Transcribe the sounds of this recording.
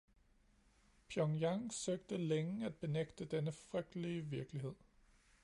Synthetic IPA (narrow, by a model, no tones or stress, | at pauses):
pʰjɒŋjɑŋsøːɡ̥̚d̥əleŋæd̥̚b̥e̝neɡ̥d̥əd̥enəfʁœɡ̥̚d̥liəʋiɐɡ̥əliɦe̝ð̰ˠ